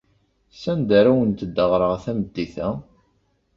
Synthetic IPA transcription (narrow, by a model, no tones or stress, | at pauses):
sænd̪æɾæwənt̪əd̪ːəʁɾˤəʁθæməd̪ːiθæ